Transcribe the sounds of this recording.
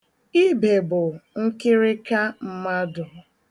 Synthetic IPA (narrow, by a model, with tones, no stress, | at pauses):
i˦be˨bʊ˨ŋ̩˦kɪ˦ɾɪ˦ka˦m̩˦ma˦dʊ˨